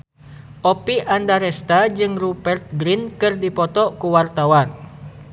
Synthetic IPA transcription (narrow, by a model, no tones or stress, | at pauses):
ʔɔpiʔandaɾɛst̪ad͡ʒɨŋrubɛrt̪̚ɡɾinkɨrdipɔt̪ɔkuwart̪awan